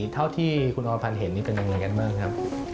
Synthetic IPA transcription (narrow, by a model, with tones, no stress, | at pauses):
t̪ʰa˥˩wt̪ʰiː˥˩kʰu˧nʔɔː˧pʰa˧nɦe˩˦nːiː˥pe˧nja˧ŋɯː˧jka˧nmaː˥˩ŋkʰɾa˦˥p̚